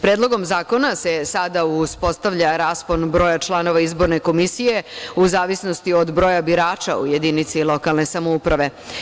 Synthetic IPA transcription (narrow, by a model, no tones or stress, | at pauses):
pɾeːd̪lˠo̞ɡo̞mzaːko̞nase̞sad̪auspo̞st̪aʋʎaɾaːspo̞nbɾo̞ːjat͡ʃlˠano̞ʋaizbo̞ɾne̞ko̞misije̞uzaːʋisno̞st̪io̞d̪bɾo̞ːjabiɾaːt͡ʃa̰ṵje̞d̪iːnit̪silo̞kalˠne̞samoupɾaʋe̞